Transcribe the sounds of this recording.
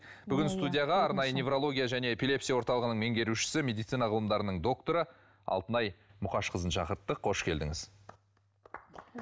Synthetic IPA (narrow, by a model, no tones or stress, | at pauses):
b̥ʏɡʲɪnst̪ud̪ʲijɑʁɑɑɾnɑjənʲe̞vɾo̞lˠo̞ɡʲijaʒæne̞epʲilʲˠe̞psijawo̞ɾt̪ɑlˠəʁənəɴme̞ŋɡʲe̞ɾuʃɪ̥sɪmʲed̪ijt̪sijnɑʁəlˠəmd̪ɑɾənəɴd̪o̞k̚t̪o̞ɾə | ɑ̰lˠt̪ənɑjmʊqɑʃqʰəzənʃɑqəɾt̪ːəqʰːo̞ʃkʲʰe̞ld̪ɪŋɪz